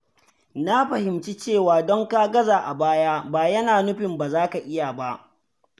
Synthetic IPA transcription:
na˦ɸɐ˨hɪ˨mt͡ʃi˦t͡ʃeː˦˨waː˨dɔ˦ŋka˦ɡɐ˦zaː˨ʔa˨baː˦jaː˦baː˨jɐ˦naː˨nʊ˦ɸɪ˨mba˨zaː˦ka˨ʔɪ˦ja˨ba˦ʔ

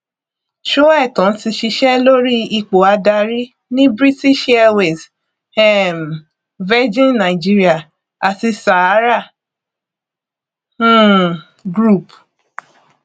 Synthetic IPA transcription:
ʃu˦ɛ˦˨tɔ̃˨n̩˦ti˧ʃi˧ʃɛ˦lo˦ɾi˦i˧k͡po˨a˧da˧ɾi˦ | nĩ˦bɾi˦ti˦ʃaɛ˧we˨s | ɛ˦˨m | vɛ˦d͡ʒĩ˦nnã˨i˨d͡ʒi˦ɾi˦a˦˨ | a˨ti˧sa˨a˨˦ɾa˦˨˦ | ɡɾu˦˨p

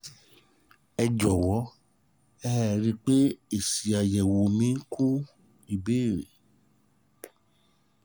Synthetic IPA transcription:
ɛ˧d͡ʒɔ˨wɔ˨˦ | ɛ˦˨ɾi˧k͡pe˦e˨si˨a˨jɛ˨wo˨mĩ˨˦kʰu˦ | i˨beː˦˨ɾḛ˨

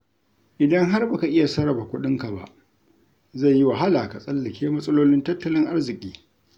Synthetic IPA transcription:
ʔɪ˨dɐ˦ŋɦa˦rba˨ka˨ʔɪ˦ja˨sɐ˦ɾɐ˨ba˨kʷʊ˦ɗɪ˦ŋka˨ba̰˨ʔ | za˦˨jːi˦wa˨ɦa˦laː˨ka˨sʼɐ˦lːɐ˨kʲeː˦mɐ˦sʼɐ˦loː˦lɪ˦ntɐ˦tːɐ˦lɪ˦ŋʔa˦rzɪ˨kʲʼiː˦

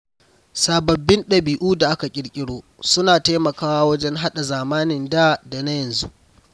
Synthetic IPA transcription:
saː˨bɐ˨bːɪ˦nɗɐ˨biː˨ʔuː˦da˨ʔa˦ka˨kʲʼɪ˦ɽkʲʼɪ˦ɽoː˦ | sʊ˦naː˨ta˦mɐ˨kaː˦wa˦wɐ˦d͡ʒɛ˦ŋɦa˦ɗa˨zaː˨maː˦nɪ˨ndaː˦da˨na˦jɐ˨nzu˦ʔ

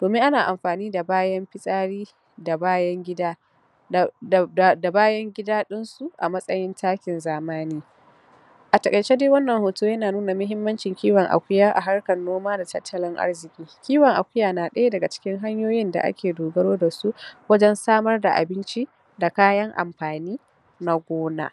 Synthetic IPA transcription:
d̥oː˨mɪ˦ŋʔa˦naː˨ʔa˨mɸaː˨niː˦da˨baː˦jɐ˦mɸɪ˦sʼaː˦ɽiː˦ | da˨baː˦jɐ˦ŋɡʲɪ˦daː˦˨ | da˨baː˦jɐ˦ŋɡʲɪ˦daː˦ɗɪ˦nsu˨ʔa̰˨mɐ˦sʼɐ˦jɪ˦ntʰaː˦kʲɪ˨nzaː˨maː˦niː˦ | ʔa˨tɐ˨kʼɐ˨t͡ʃe˦deː˦wɐ˦nːɐ˨ŋhoː˨tuː˦jɐ˦naː˨nuː˦na˨mʊ˦ɦɪ˦mːɐ˦nt͡ʃɪ˨ŋkʲiː˦wɐ˨ŋʔa̰˨kʷʊ˦jaː˦ʔa̰˨ɦa˦rkɐ˨nːoː˦maː˦da˨tɐ˦tʰːɐ˨lɪ˦ŋʔa̰˦rzɪ˨kʲʼiː˦kʲiː˦wɐ˨ŋʔa˨kʷʊ˦jaː˨naː˨ɗɐ˦ja˦dɐ˨ɡa˨t͡ʃɪ̥˦kʲɪ˦ŋɦa˦ɲjoː˦jɪ˦nda̰˨ʔa̰˦kʲeː˨doː˨ɡɐ˦ɽoː˦da˨su˦wɐ˦d͡ʒɛ˦nsaː˦mɐ˦rda˨ʔa̰˨bɪ˦nt͡ʃi˦ | da˨kaː˦jɐ˦ŋʔa̰˨mɸaː˨niː˦ | na˦ɡʷoː˦na̰ː˦

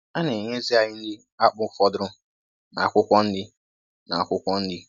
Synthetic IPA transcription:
a˦ne˨ɲe˦zɪ˦a˨ɲɪ˦n̩˦dɪ˦ | a˦k͡pʊ˦fɔ˦dʊ˦ɾʊ˦ | na̰˨a˨kʷʊ˦kʷɔ˦n̩˦dɪ˦ | na˨a˨kʷʊ˦kʷɔ˦n̩˦dɪ˦

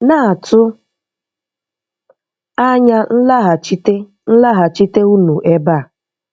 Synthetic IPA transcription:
na˦a˨tʰʊ˦ | a˦ɲa˦n̩˦la˦ɦa˨t͡ʃi˦t | n̩˦la˦ɦa˨t͡ʃi˦te˦u˦nu˨ʔe˦ba˦˨

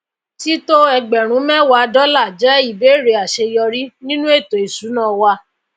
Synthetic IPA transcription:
ti˦to˦ɛ˧ɡ͡bɛ˨ɾ̃ũ˨˦mɛ̃˦wa˧dɔ˦la˦˨d͡ʒɛ˨˦i˦˨be˨˦˨ɾe˧˦a˨ʃe˧jɔ˧ɾi˦nĩ˦nũ˦e˦˨to˨i˨su˨˦nãː˦˨wa˧

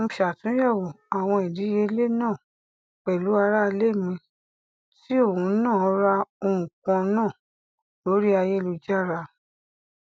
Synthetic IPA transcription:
ʃa˨tũ˨˦jɛ˦˨wo˨ | a˨w̃ɔ̃˧i˨di˨˦je˧˦le˦nãː˦˨ | k͡pɛ˨lu˨˦a˧ɾa˦˧le˦˨mĩ˧ | ti˦o˦˨hũ˨˦nãː˦˨˦ɾa˧o˧ɾũ˨kã˧nãː˦˨ | lo˨˦ɾi˦a˧je˦˧lu˧d͡ʒa˦˨ɾa˧

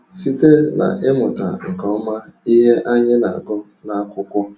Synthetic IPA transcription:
si˦te˦na̰˨ʔɪ˦mʊ˨ta̰˨ŋ̩˨kɔ˨ɔ˦ma˦i˦ɦe˦ʔa˦ɲɪ˦na̰˨ɡʊ˦ | na˦kʷʊ˦kʷʊ˦

